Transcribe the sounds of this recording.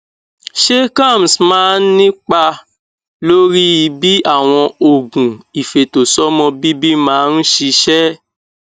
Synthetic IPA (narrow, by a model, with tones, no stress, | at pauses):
ʃe˦kã˦˨m˨smãː˨˦nĩ˦k͡pa˧ | lo˦ɾi˦i˧bi˦a˦˨w̃ɔ̃˧o˨ɡũ˨i˨fe˨to˨sɔ˦mɔ̃˧bi˦bi˦mãː˨˦n̩˦ʃi˧ʃɛ˦